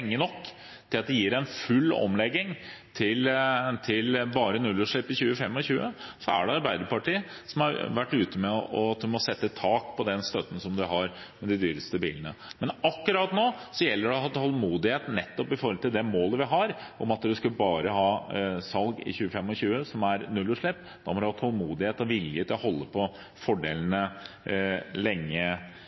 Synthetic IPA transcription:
ŋːənɔkː | t̪ʰɪlɑt̪̚d̪ɛjɪːɾæɪnfʉlːɔ̰mlɛɡːɪŋt̪ʰɪlt̪ʰɪlbɑːɾənʉlʊʂɭɪpːɪçʉːəfɛmːɔçʉːəsɔæ̰ɖɛɑɾbæɪd̪əpɑʈʰiː | sɔmɑɾʋæʈːʉːt̪əmɛɔɑt̪̚d̪ʉmɔsɛt̪ːət̪ʰɑːkpʰɔd̪ɛnst̪œt̪ːən̩sɔmd̪ʉɦɑɾ | mɛd̪ɪd̪yːɾəst̪əbḭːlənə̰mɛnɑkːʉɾɑt̪noːsɔjɛlːəɖɛɔhɑt̪ːhɔlmuːd̪ɪheːt̪nɛt̪ːɔpɪfɔɾɔlt̪ɪld̪ɛmoːləʋɪɦɑɾʔɔmɑt̪d̪ʉskʉbɑːɾəɦɑːsɑlɡɪ̰çʉːəfɛmːɔçʉːəsɔmæɾnʉlːʉʂɭɛpː | d̪ɑmɔd̪ʉhɑt̪hɔlmuːd̪ɪheːt̪ɔʋɪljət̪ʰɪlɔhɔlːəpʰɔ | fɔɖḛːlənə | lɛŋːə

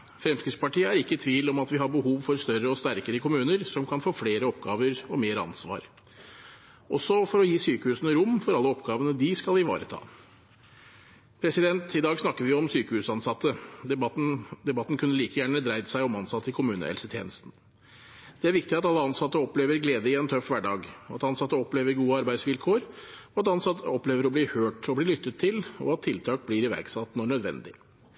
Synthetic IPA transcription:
fɾɛmskɾɪspɑʈiːəæɾɪkːət̪ʰʋiːlɔmɑt̪ʋɪɦɑɾbəhuːʋfɔɾst̪œɾəɔst̪æɾkəɾəkʰʊmʉːnəɾsɔmkʰɑnfoːfleːɾəɔpɡɑːʋəɾɔmeːɾəɑ̰nsʋɑ̰ːɾ | ʔɔsːɔfɔɾɔjiːsyːkəhʉːsənəɾʊmːfɔɾɑlːəɔpɡɑːʋənəd̪ɪskɑlɪʋɑ̰ːɾət̪ʰɑ̰ː | pʰɾɛsɪd̪ɛnt̪ɪd̪ɑːɡsnɑkːəɾʋɪɔmsyːkəhʉːsɑnsɑt̪ːə | d̪ɛbɑt̪ːn̩kʰʉnːəliːkəjæːɳəd̪ɾæɪd̪əsæɪɔmɑnsɑt̪ʰːɪkʰʊmʉːnə̰hɛ̰lsət̪ʰjḛːnəst̪n̩ | d̪̥ɛæɾʋɪk̚t̪ɪɑt̪ɑlːəɑnsɑt̪ːəɔpleːʋəɾɡleːd̪əɪɛnt̪ʰœfʋæɖɑːɡɑ̰t̪ɑnsɑt̪ːəɔpleːʋəɾɡuːəɑɾbæɪd̪sʋɪlkʰoːɾɔɑt̪ɑnsɑt̪ʰːəɔpleːʋəɾɔbliːhøːʈɔbliːlʏt̪ːət̪ʰːɪlɔ̰ɑt̪ʰːɪlt̪ʰɑːk̚blɪɾɪʋæ̰ɾɡsɑt̪ːnɔɳœd̪ʋɛ̰nd̪ɪ̰

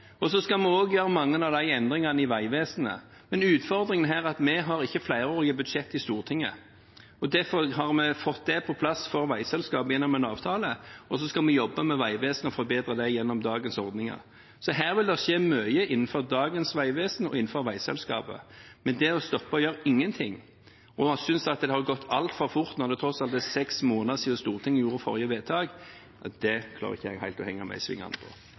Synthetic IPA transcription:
ɔsɔskɑmɛoːɡjøːʁəmɑŋːənɑʋd̪æɪɛnd̪ʁɪŋɑnəɪʋæɪʋeːsənə̰ | mɛnʉːt̪fɔʁd̪ɾɪŋənɦæːʁɑt̪mɛɦɑɾɪçːəflæɪɾəoːɾɪəbʉd̪ʂɛt̪ːɪst̪uːʁt̪ʰɪŋːə̰ | ɔd̪æfɔʁɦɑʁmɛfɔt̪̚d̪ɛpʰɔpʰlɑsfɔɾʋæɪsɛlskɑːpjɛnːɔmɛnɑːʋt̪ʰɑːləɔs̬ɔskɑlmɛjɔbːəmɛʋæɪʋeːsənɔfɔɾbeːd̪ɾəd̪æɪjɛnːɔmd̪ɑːɡənsɔʁd̪nɪŋɑ̰ʁ | sɔɦæːʁʋɪld̪ɛʃeːmœʏəʔɪnːn̩fɔʁd̪ɑːɡənsʋæɪʋeːsənɔ̰ʔɪnːn̩fɔɾʋæɪsɛ̰lskɑ̰ːpə̰mɛnd̪ɛɔst̪ɔpːəɔjøːɾɪŋːənt̪ʰɪŋː | ɔsʏnsɑt̪̚d̪ɛhɑʁɡɔt̪ʰːɑlt̪fɔɾfʊɾt̪nɔʁd̪ɛt̪ʰɾɔsɑlt̪ɛsɛksmoːnəsiːəst̪uːʁt̪ʰɪŋːjuːɾəfɔ̰ɾjəʋeːt̪ʰɑːɡ | d̪ɛkʰlɑ̰ɾ̰ɪçːəæɡhæɪlt̪ɔhɛŋːɑmæ̰ɪsʋɪ̰ŋːɑ̰əpʰɔ̰

